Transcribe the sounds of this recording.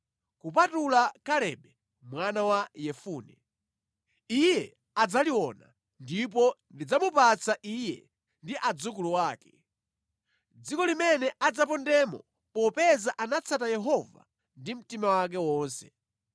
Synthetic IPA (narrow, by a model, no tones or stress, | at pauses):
kupatulakalɛɓɛ | mwanawajɛfuːnɛ | ijɛ | ad͡zaliwɔna̰ | ndip̬ɔndid͡zamupat͡sʰaʔijɛ̰ | ndiʔad͡zukuluwaːkɛ | d͡zikɔlimɛnɛʔad͡zap̬ɔndɛmɔ̰ | pɔpɛzaʔanat͡sʰat̬ajɛɦɔva̰ | ndim̩timawak̬ɛwɔːnsɛ